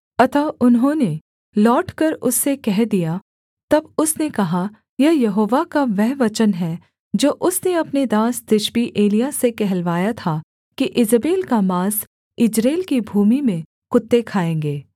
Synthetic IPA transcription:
ɐt̪ʰaʊnɦõne | lɔːʈkɐɾʊsːekɛɦd̪ija | t̪ɐbʊsnekɐɦa | jɛjɐɦoːʋakaʋɛɦʋɐt͡ʃənɦɛ | d͡ʒoːʔʊsneɐpned̪aːsd̪ɪʃbiʔeːlijasekɛɦɛlʋaːjat̪ʰa | kiʔɪzəbeːlkamaːs | ɪd͡ʒɾeːlkibʱuːmimẽ | kʊt̪ːekʰaːẽːŋɡeː

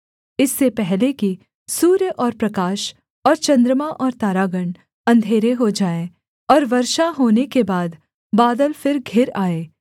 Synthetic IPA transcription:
ɪsːepɛɦleki | suːɾjəʔɔːɾpɾɐkaːʃ | ɔːɾt͡ʃɐ̃nd̪ɾəmaʔɔːɾt̪aːɾaːɡəɳ | ɐ̃nd̪ʱeːɾeɦod͡ʒaːẽ | ɔːɾʋɐɾʃaɦoːnekebaːd̪ | baːd̪əlfɪɾɡʱɪɾaːeː

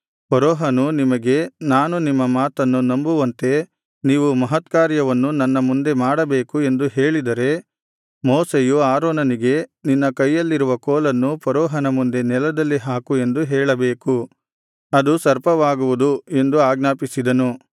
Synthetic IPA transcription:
pɐɾɔːɦɐnunimɐɡe̞naːnunimːɐmaːt̪ɐnːunɐmbuʋɐnt̪e̞ | niːʋumɐɦɐt̪kaːɾjɐʋɐnːunɐnːɐmund̪e̞maːɽɐbeːkue̞nd̪uɦeːɭid̪ɐɾe̞ | moːsejuaːɾoːnɐniɡe̞ninːɐkɐjːɐlːiɾuʋɐkoːlɐnːupɐɾɔːɦɐnɐmund̪e̞nɛlɐd̪ɐlːiɦaːkue̞nd̪uɦɛːɭɐbeːku | ɐd̪usɐɾpɐʋaːɡuʋud̪ue̞nd̪uaːɡnaːpisid̪ɐnu

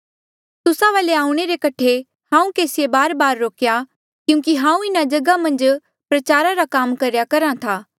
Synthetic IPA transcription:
t̪ʊsaʋaːleaːũɽ̃eɾekɐʈʰe | hãːũkeːsɪebaːɾbaːɾːoːkja | kjũːkiɦãːũɪnad͡ʒɐɡamɐ̃nd͡ʒ | pɾɐt͡ʃaːɾaɾakaːmkɐɾjakɐɾãt̪ʰaː

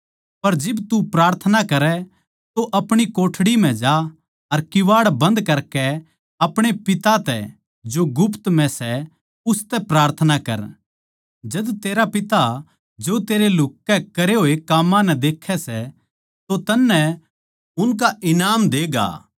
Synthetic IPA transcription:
pɐɾd͡ʒɪbt̪upɾaːɾt̪ʰənakɐɾɛ | t̪oʔɐpɽ̃ikoːʈʰɽim̤ɛ̃d͡ʒa | ɐɾkɪʋaːɽbɐ̃nd̪kɐɾkɛ | ɐpɽ̃epɪt̪at̪ɛ̰ | d͡ʒoɡʊpʰt̪mɛ̃sɛ | ʊst̪ɛpɾaːɾt̪ʰənakɐ̰ɾ | d͡ʒɐd̪t̪eːɾapɪt̪a | d͡ʒot̪eːɾelʊkːɛkɐɾeɦoːekaːmːãnɛd̪eːkʰːɛsɛ | t̪ot̪ɐnːɛ | ʊnk̬aɪnaːmd̪eːɡa̰ː

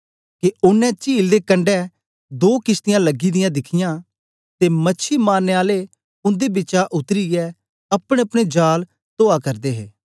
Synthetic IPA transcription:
keʊnːɛ̃t͡ʃiːld̪eːkə̃ɳɖɛ | d̪oːkɪst̪ɪjãləɡid̪ɪjãd̪ɪkʰɪjãː | t̪emɐːʃʰimaːnːeːaːle | ʊ̃nd̪ebɪt͡ʃaʔʊt̪ɾijɛ | ɐpɽ̃ẽɐpɽ̃ed͡ʒaːl | t̪oːakɐɾd̪eɦeː

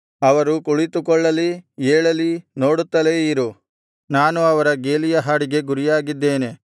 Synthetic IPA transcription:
ɐʋɐɾukuɭit̪ukɔɭːɐlieːɭɐlino̞ːɽut̪ːɐleiɾu | naːnuɐʋɐɾɐɡeːlijɐɦaːɽiɡe̞ɡuɾijaːɡid̪ːe̞ːne̞

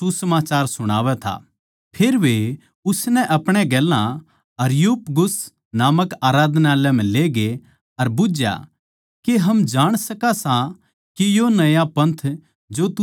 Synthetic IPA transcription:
susəmaːt͡ʃaːɾsʊɽ̃aːʋɛt̪ʰa̰ | pʰeːɾʋe | ʊsnɛʔɐpɽ̃ɛɡɛːlːã | ɐɾjuːpɡʊs | naːməkaːɾaːd̪ʱnalɛm̤ɛ̃leːɡe | ɐɾbʊd͡ʒja̰ | keɦɐmd͡ʒaːɽ̃sɐkasã | kijonɐjapɐ̃nt̪ʰ | d͡ʒoːt̪

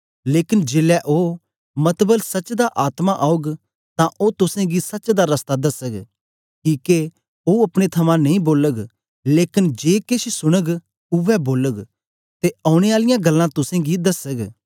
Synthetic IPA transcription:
leːkɪnd͡ʒeːlɛʔoː | mɐt̪bəlsɐt͡ʃd̪aʔaːt̪maʔaːʊɡ | t̪ãʔoːt̪ʊsẽɡisɐt͡ʃd̪aɾɐst̪ad̪ɐsəɡ | kiːke | oːɐpɽ̃et̪ʰɐmãnɐĩboːləɡ | leːkɪnd͡ʒeːkeʃisʊɽ̃əɡ | ʊʋɛboːləɡ | t̪eɐːʊɽ̃eaːlɪjãɡɐlːãt̪ʊsẽɡid̪ɐsəɡ

